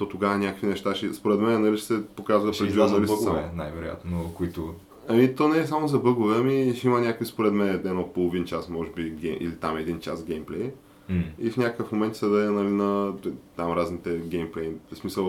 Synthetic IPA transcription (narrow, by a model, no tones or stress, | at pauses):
t̪ɔt̪oɡavənʲakəkvʲinɛʃt̪aʃɛspoɾɛt̪mɛnɛnɐliʃsɛpokazvɐʃpɾɛlʲnɐliʃɡ̪vɛna̰jvɛɾo̰ja̰t̪nokoit̪ʊ | ɐmit̪onɛɛs̬amozɐbɤɡovɛɐmiʃimɐnʲakoispoɾɛt̪mɛnɛɛnɔpolˠovint͡ʃasmɔʒɛbiɡɛʔḭlit̪amɛd̪int͡ʃa̰sɡʲɛjmplɛj | ifnʲakəkəfmomɛnt̪sɐd̪ɐɛnɐlinɐt̪amɾaznit̪ɛɡʲɛjmplɛjsmisəlˠ